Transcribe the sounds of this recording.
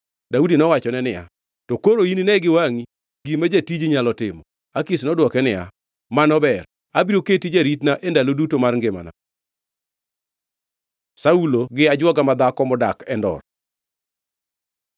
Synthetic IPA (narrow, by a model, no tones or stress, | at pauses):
daudinɔwat͡ʃɔnɛnɪja̰ | tɔkoɾoininɛɡɪwaŋi | ɡimad͡ʒatid͡ʒɲalɔtɪmɔ | akisnɔdwɔkɛnɪja̰ | manɔbɛr | abiɾoketid͡ʒaɾitnaʔendalodutomarŋɡɪma̰na̰ | sauloɡɪad͡ʒwɔɡamad̪akɔmɔdakɛndɔ̰r